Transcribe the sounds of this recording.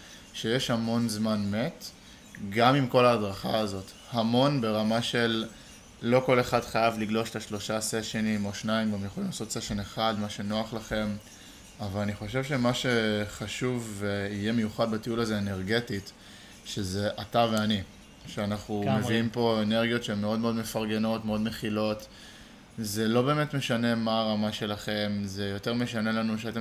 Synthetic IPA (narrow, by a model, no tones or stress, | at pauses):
ʃe̞jeʃhamo̞nzmanme̞t | ɡamimko̞laːdʁaχaːzo̞t̪ | hamo̞nbe̞ʁamaʃe̞lː | o̞ko̞le̞χadχajavliɡlo̞ʃet̪aʃlo̞ʃaseʃenimo̞ʃnaimɡamjeχolimlaːso̞tseʃeneχad̪maʃe̞no̞aχlaχe̞m | avalaniχo̞ʃ̬e̞vʃe̞maʃe̞χaʃuveije̞me̞juχad̪batiulaze̞ene̞ʁɡe̞tit | ʃeze̞ʔataveani | ʃeanaχumeviimpo̞eneʁɡijo̞tʃeemːeo̞dmeo̞dme̞faʁɡe̞no̞tmeo̞d̪meχilo̞t | ze̞lo̞be̞ːme̞tme̞ʃane̞maːʁamaʃe̞laχe̞mze̞jo̞te̞ʁme̞ʃane̞lanuʃ̬eat̪e